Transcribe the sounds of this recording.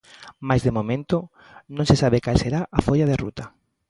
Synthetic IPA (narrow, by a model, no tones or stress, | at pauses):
majzðemomẽnt̪o | nõŋsesaβekalseɾaʔafoʎaðerṵt̪a